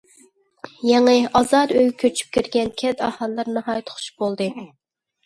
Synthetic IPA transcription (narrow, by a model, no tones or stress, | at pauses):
jɛŋɨɑzɑɾøjkʲʰøt͡ʃʰy̥p̚kʲiɾɡʲɛnkʲʰɛt̪ɑ̰hɑlˠːɑɾnɨhɑːjt̪ʰʊ̥χʰʊ̥ʃb̥olˠd̪ɨ